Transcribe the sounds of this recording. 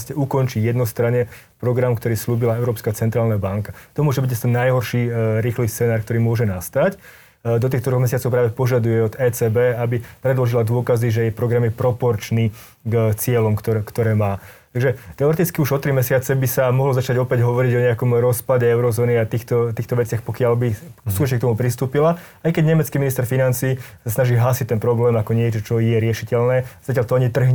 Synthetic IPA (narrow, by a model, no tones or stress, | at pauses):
scɛukɔnt͡ʃijɛd̪nɔst̪ɾaɲɛ | pɾɔɡɾamkt̪ɔɾiːsluːbilaɛʊɾɔːpskat͡sɛnt̪ɾaːlnabaŋkat̪ɔmʊɔʒɛbiɟast̪ɛnːajɦɔɾʃiɾiːxlistt͡sɛnaːɾkt̪ɔɾiːmʊɔʒɛnast̪ac | d̪ɔt̪̬iːxt̪ɔd̪ɾɔɣmɛsɪat͡sɔʊpɾaːʋɛpɔʒad̪ujɛɔd̪ɛːt͡sɛːbɛabipɾɛd̪lɔʒilad̪ʊɔkaziʒɛjɛpɾɔɡɾamjɛpɾɔpɔɾt͡ʃniː | ɡt͡sɪɛlɔmkt̪ɔɛkt̪ɔɾɛːmaːt̪aɡʒɛt̪ɛɔɾɛt̪it͡skiuʒɔt̪ɾimɛsɪat͡sɛbisamɔɦlɔzat͡ʃaɟɔpɛɟɦɔʋɔɾiɟɔɲɛakɔmɾɔspaɟɛɛʊɾɔzɔːniat̪iːxt̪ɔt̪iːxt̪ɔʋɛt͡sɪaxpɔkɪalbisuːtɔt͡ʃɲɛkt̪ɔmupɾist̪uːpila | ajkɛɟɲɛmɛt͡skiːminist̪ɛɾfinant͡siːsasnaʒiːɦaːsic̚t̪ɛnpɾɔblɛːmakɔɲɪɛt͡ʃɔt͡ʃɔjɛɾɪɛʃicɛʎnɛːazacjaʎt̪ɔaɲit̪r̩ɦɲ